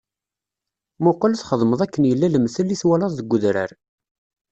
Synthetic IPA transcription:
mʊqlθχəðˤməðˤækːənjəlːæləmθəlːiθwælɑðˤðəɡʷːʊðɾə̰ɾ

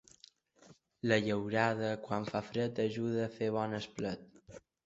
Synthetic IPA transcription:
ləʎəwɾað̞əkwaɱfafɾət̪əʒuð̞əːfeβ̞ɔnəsplət̪̚

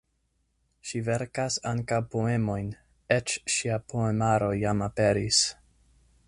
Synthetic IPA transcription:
ʃive̞ɾkasaŋkawpoe̞mo̞jn | et͡ʃʃiapʰoemaɾo̞jamape̞ɾis

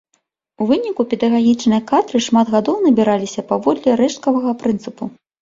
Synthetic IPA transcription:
uvɨnʲikupʲɛd̪ɐɣaɣʲit͡ʂnɨjɐkat̪ɾɨʂmad̪ɣad̪ɔwnɐbʲiɾalʲisʲɐpavɔd̪lʲɛɾɛʂt̪̚kɐvɐɣɐpɾɨnt̪sɨpu

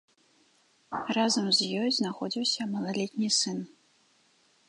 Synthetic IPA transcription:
razɐmzjɔjznaxɔd͡zʲiwsʲɐmɐlˠalʲɛt̪̚ʲnʲisɨn

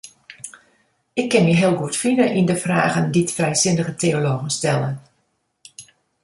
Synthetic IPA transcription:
ɪkːɪnmiɦɪəlˠɡuətfinəʔindəfraːɣənditfrɛjsɪndəɣətʰeoloːɣən̩stɛlˠən

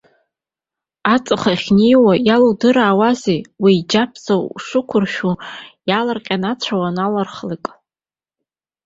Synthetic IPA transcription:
at͡sʼɨχaχʲnejwajaludɨɾaːwazejwiːd͡ʒapʰsʰawʂɨkʷʰʊrʃᶣujalarqʲʼanat͡ɕʷʰawanalarχlikʼ

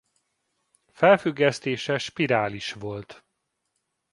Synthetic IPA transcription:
fɛlfyɡːɛst̪eːʃɛʃpiɾaːliʃʋo̞lt̪

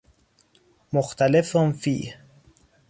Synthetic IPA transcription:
moxt̪ʰalefʊnfḭːh

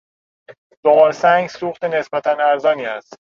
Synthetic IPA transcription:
d̪̥oʁɒːɾsæŋɡsuːχt̪e̞ne̞sbæt̪ʰænæɾzɒːniːæst̪̚

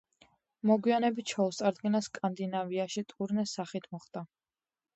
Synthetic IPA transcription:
mɔɡwianɛbit̪̚t͡ʃʰɔust̪sʼaɾd̪ɡinaskʼand̪inaviaʃit̪ʼuɾnɛsaχit̪ʰmɔχd̪̥a

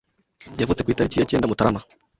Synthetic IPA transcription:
jafut͡se̥kʷuitaɾit͡ʃijat͡ʃiɛndamutaɾama

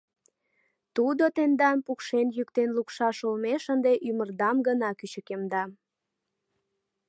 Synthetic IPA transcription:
t̪ud̪ot̪end̪ɑnpukʃenjykt̪enlukʃɑʃolmeʃənd̪eʔymərd̪ɑmɡənɑkyt͡ɕəkemd̪ɑ

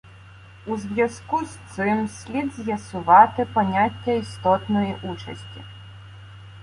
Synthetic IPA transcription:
uzʲvʲjaskust̪sɪmsʲlʲid̪zʲjɐsʊʋat̪ɪpɔnʲatʲːɐist̪ɔt̪nɔjɛʔut͡ʃɐ̰sʲtʲḭ

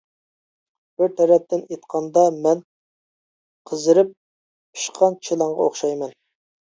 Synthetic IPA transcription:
b̥ɪɾt̪ʰɛɾɛp̚t̪ɪnet̪qʰɑnd̪ɑmɛn | qʰəzɨɾɪp̚ | pi̥ʃqʰɑnt͡ʃʰilˠɑɴʁɑoχʃɑjmɛn

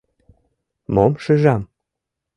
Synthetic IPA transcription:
momʃɘʒɑm

